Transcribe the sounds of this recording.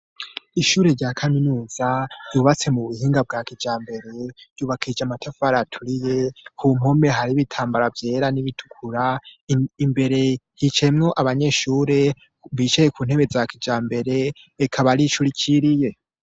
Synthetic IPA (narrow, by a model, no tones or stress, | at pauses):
iʃuːɾe̞ɾɟaːkʰaminuːz̥aɾjuːβat͡se̞muβuhiːŋɡab̚ɡaːkid͡ʒaːmbe̞ɾe̞ɾ̥juːβakʰid͡ʒamatʰafaɾatʰuɾije̞kʰum̥ho̞me̞ɦaɾiβitʰaːmbaɾavje̞ːɾaniβitʰu̥kʰuɾa | imbe̞ɾe̞hit͡ʃe̞mŋo̞ʔaβaɲe̞ʃuːɾe̞ | βit͡ʃejekʰuːn̥e̞βe̞zakid͡ʒaːmbe̞ɾe̞ː | kʰaβaɾiʃuɾicʰiɾije̞